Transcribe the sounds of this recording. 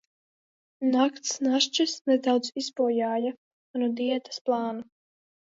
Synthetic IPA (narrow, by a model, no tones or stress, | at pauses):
nakt̪snaʃt͡ʃasnɛd̪awd̪zisbuɔjaːja | nud̪iɛt̪ḁsplˠɑːna